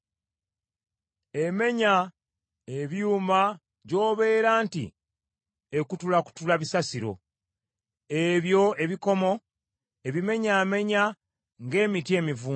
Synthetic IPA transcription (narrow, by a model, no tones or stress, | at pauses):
e̞me̞ɲa | eβjuːma | ɟo̞ːβe̞ːɾaːntḭ | ekutulaku̥tulaβisasiɾo̞̰ | eβjo̞e̞βiko̞mo̞ | e̞βime̞ɲaːme̞ɲa | ŋɡe̞ːmitie̞ːmivuː